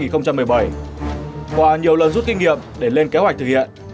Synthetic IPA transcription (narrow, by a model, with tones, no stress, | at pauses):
ŋi˨˩nxə˧wŋ͡mt͡ɕa˧mːɨ˨˩əjɓə˨˧˩j | kwaː˧˩ɲi˨˩əwlə˨˩nzu˦˥t̚kï˧ŋ̟ŋḭ˧˨əmɗe˧˩le˧nke˨˦ha˨˩k̚t̪ʰɨ˨˩hḭ˧˨ənʔ